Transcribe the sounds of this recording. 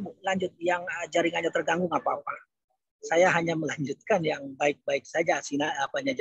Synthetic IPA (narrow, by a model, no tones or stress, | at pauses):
ulaɲd͡ʒʊt̪̚jaŋəd͡ʒaɾɪŋaɲat̪ərɡaŋɡʊŋapaːpa | sajaɦaɲaməlaɲd͡ʒut̪̚kanjaŋbaɪk̚baɪk̚sad͡ʒasinaapaɲad͡ʒ